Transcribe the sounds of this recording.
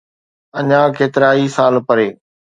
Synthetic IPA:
ɐɲãːkeːt̪ɪɾaːisaːlpɐɾeː

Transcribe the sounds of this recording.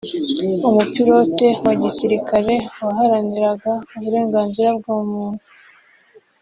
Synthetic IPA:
umupiɾo̞ːte̞waɟisiɾikaɾe̞waɦaɾaniɾaɡauβuɾe̞ːŋɡaːnziɾab̚ɡaːmuːn̥u

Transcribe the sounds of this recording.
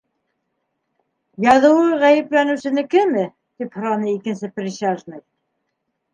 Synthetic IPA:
jɑðɤ̆wɤʁæjɘ̆plænɘ̆wsɘ̆nɘkɘmɘ | t̪iphɤ̆ɾɑnɤikɘ̆nsɘprʲiʃaʒnɤj

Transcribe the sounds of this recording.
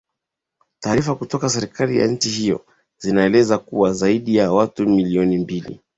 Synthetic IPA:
taːɾifakutɔkasɛɾikalija̰ɲ̩t͡ʃihijɔ̰ | zinaɛlɛzakuwazaiɗijawatumiliɔnimbilḭ

